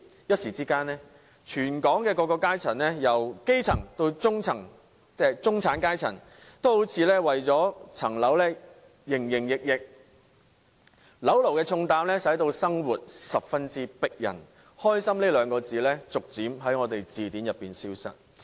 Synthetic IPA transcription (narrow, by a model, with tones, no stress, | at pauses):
jɐ˥t̚siː˨˩t͡siː˥kaː˥nlɛː˥ | t͡ʃʰyː˨˩nkɔː˨˥ŋkɛː˧kɔː˧kːɔː˧kaː˥jt͡sʰɐ˨˩nlɛ˥jɐ˨˩wke˥jt͡sʰɐ˨˩ŋt̪o˧wt͡sʊ˥ŋt͡sʰɐ˨˩ŋ | ɛ˧t͡sʊ˥ŋt͡sʰaː˨˥nkaː˥jt͡sʰɐ˨˩n | t̪o˥who˨˥wt͡sʰiː˧lɛː˥wɐ˨jt͡sɔː˨˥t͡sʰɐ˨˩ŋlɐ˨˥wlɛː˥ | jɪ˨˩ŋjɪ˨˩ŋjɪ˨k̚jɪ˨k̚ | lɐ˨˥wlo˨˩wkɛː˧t͡sʰʊ˧ŋt̪aː˧mlɛː˥sɐ˨˥jt̪o˧wsɐ˥ŋwuː˨˩t̚sɐ˨p̚fɐ˥nt͡siː˥pɪ˥k̚jɐ̰˨˩n | hɔː˥jsɐ˥mleː˥lœː˨˧ŋkɔː˧t͡siː˨lɛː˥t͡sʊ˨k̚t͡siː˨˥mɦɐ˨˥jŋɔː˨˧t̪e˨jt͡siː˨t̪iː˨˥njɐ˨pːiː˨nsiː˥wsɐ̰˥t̚